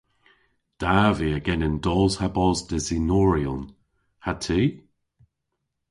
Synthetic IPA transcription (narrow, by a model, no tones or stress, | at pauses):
d̥aviəɡɛnənd̪ɔːzhabɔzd̪ɪzinɔːɹiʊn | hatʰiː